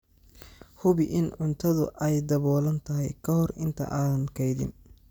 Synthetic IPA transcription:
hʊβɪʔɪnʕʊnt̪ʰɐðʊ̰ʔɛjd̪ɐβɔːlɐnt̪ʰɐɦɛjkʰɐɦɔrɪnt̪ʰɐ̰ʔaːðɐnkʰɛjðɪ̰n

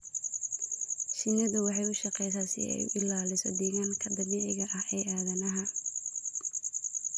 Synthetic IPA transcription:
ʃɪnɐðʊwɑħɑjʊʃɑqɛjsaːsɪ̰ʔɛ̰j̰ʔɪlaːlɪsɔ̰d̪ɛːɣaŋkʰɐd̪ɐβiːʕɪɣɐʔɐhɛːʔaːðɐnɐɦɐ

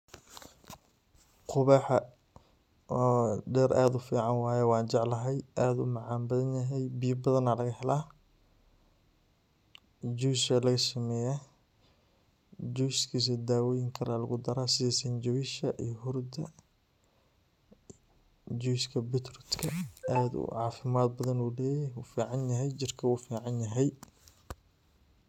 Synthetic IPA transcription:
qʰʊβaːħɐ | ɔɖɛːɾʔaːd̪ʊfiːʕɑnwɑːjɛwɑːnt͡ʃɑʕlɐɦɛjaːd̪ʊ̰mɑʕɑːmbɐðɐnjɐɦɛjbijɐbɐðɐnaːlɐɣɐhɛlaː | d͡ʒuːsɛlɐɣɐsɐmɛːjaː | d͡ʒujskʰiːs̬id̪aːwɔːjɪŋkʰɐlalɐɣʊd̪ɐɾaːsɪðɛːsɐnd͡ʒɐwɪʃɐʔiːɦʊrd̪ɐ | d͡ʒujskʰɐbɪt̪rʊt̪kʰɐaːd̪ʊ̰ʕɑːfɪmaːd̪bɐðɐnuːlɛːjuːfiːʕɑnjɐɦɛjt͡ʃɪrkʰɐwuːfiːʕɑnjɐɦɛj

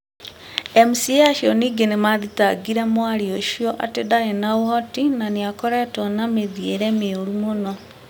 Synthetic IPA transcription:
emusiaʃiɔniːɡenemaðitaɡiɾɛmwaɾioʃiɔʔa̰tedaenawɔtinaneakɔɾɛtɔnameðieɾɛmeoɾumonɔ

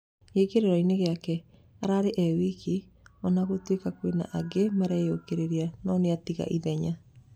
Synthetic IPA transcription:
ekeɾeɾaineɣeakɛ | aɾaɾeʔɛwiki | ɔnaɣotwekakwena̰ʔaɡemaɾɛjokeɾeɾianɔːneatiɣa̰ʔiðɛɲa

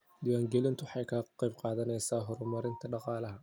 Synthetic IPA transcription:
d̪ɪwaːŋɡɛlɪnt̪ʰʊħɑjkʰɐqɑjbqɑːðɐnɛjsaːɦɔɾʊmɐɾɪnt̪ʰɐɖɑqɑːlɐɦɐ

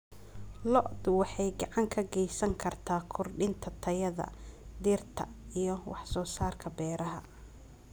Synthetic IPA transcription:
lɔʔd̪ʊwɑħɑjɡɑʕɑŋkʰɐɡɛjsɐŋkʰɐrt̪ʰaːkʰʊrɖɪnt̪ʰɐt̪ʰɐjɐðɐ̰d̪ɪrt̪ʰɐ̰ijɞwɑħsɔːsaːrkʰɐbɛːɾɐɦɐ

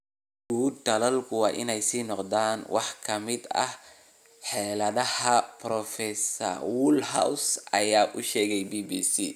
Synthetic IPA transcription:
ɡ̥uːd̪t̪ɐlɐlkʰʊwɑːʔɪ̰nɛjsiːnɔqd̪aːnwɑ̰ħkʰɐmɪd̪ɐ̰h | ħɛːlɐðɐhɐprɔfɛsɐ̰rwʊlɦa̰wsɐ̰jaːʔʊʃɛːɣɛjbiːbiːsḭː

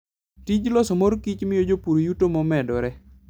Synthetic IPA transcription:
tid͡ʒlɔsɔmoɾkit͡ʃmɪjod͡ʒopuɾojutomɔmɛdɔɾɛ

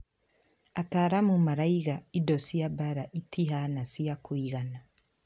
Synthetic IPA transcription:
ataːɾamumaɾaiɣaidɔsiabaɾaʔitiɦanasiakʰwiɣana

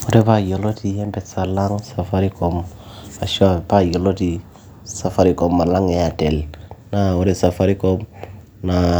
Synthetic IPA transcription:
oɾebajolotijembesalaŋsafaɾikom | aʃuabajoloti | safaɾikomːalaŋeatelnaoɾesafaɾikom | na

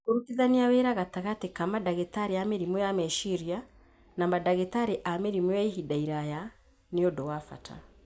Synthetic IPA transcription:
koɾukiðaniaweɾaɣataɣatekamadaɣetaɾeameɾimujameʃiɾia | namadaɣetaɾeʔameɾimujaiɦidaiɾaja | neodowafa̰tʰa̰

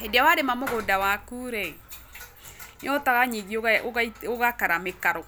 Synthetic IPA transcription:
ɛdeawaɾemamoɣodawakuɾɛ | nɔtaɣaɲiɣioɣioɣakaɾamekaɾɔ

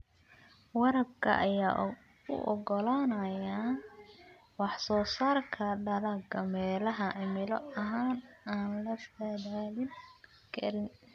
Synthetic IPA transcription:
wɑɾɐb̚kʰɐ̰ʔɐjaː | ʊ̰ʔɔ̰ɡɔlaːnɐja | wɑħsɔːsaːrkʰɐɖɐlɐɡɐmɛːlɐɦɐʕɪmɪlɔɐɦaːnaːnlɐfɐdalɪn | kʰɐ̰ɾɪn

